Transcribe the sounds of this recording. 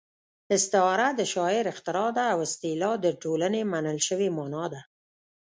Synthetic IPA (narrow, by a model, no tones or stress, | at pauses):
ɪst̪ɪɑɾad̪əʃɑɪɾɪxt̪ɪɾɑd̪aːwɪst̪ilɑd̪əʈolanemanəlʃəwemɑnɑd̪a